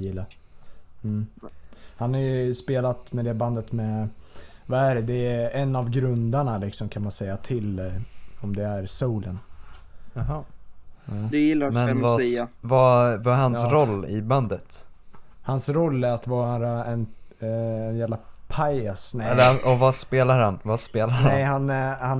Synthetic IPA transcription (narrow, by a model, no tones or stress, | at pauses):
jɪlːa | m̩ː | hanhaɾjɵspeːlat̪mɛd̪ɛband̪ət̪mɛ | vaæɖɛd̪ɛɛnːavɡɾɵnd̪aɳalɪksɔmkʰanmansɛjːat̪ʰɪl | ɔmd̪ɛæɾsowlən | ɦɑ | d̪jɪlːamɛnɛvaɛvavahanssɾɔlːɪ̰band̪ət̪ | hansɾɔlːæɾat̪vɑːɾaɾaɛn | ɛnjæːvlapʰajasnɛɛlːəɔvaspeːlaɾhanvaspeːlaɾnhaɛɛjhanhan